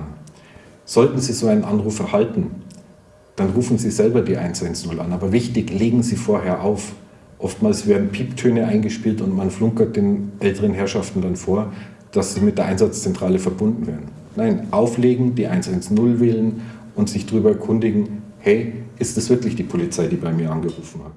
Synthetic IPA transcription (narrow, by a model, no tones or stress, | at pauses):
z̥ɔltn̩ziːzoːaɪnənʔanʁuːfɛɐhaltn̩ | d̥anʁuːfn̩ziːzɛlbɐdiːʔa̰ɪnsʔaɪnsnʊla̰naːbɐvɪçtɪçleːɡŋ̩ziːfoːɐɦeːɐʔaʊf | ʔɔftmaːlsv̥eːɐdn̩pʰiːptʰøːnəʔaɪnɡəʃpiːltʊntmanflʊŋkɐt̚d̥eːnʔɛltəʁənɦɛɐʃaftn̩danfoːɐ | d̥asz̥iːmɪt̚d̥eːɐʔaɪnzat͡st͡sɛntʁ̥aːləfɛɐbʊndn̩vḛːɐn̩ | naɪnʔaʊfleːɡŋ̩d̥iːʔaɪnsaɪnsnʊlvɛːlən | ʊntz̥ɪçd̥aʁyːbɐɛɐkʰʊndɪɡŋ̩ | hɛɪʔɪstd̥asv̥ɪɐklɪçd̥iːpʰolit͡saɪdiːbaɪmiːɐʔanɡəʁuːfn̩hat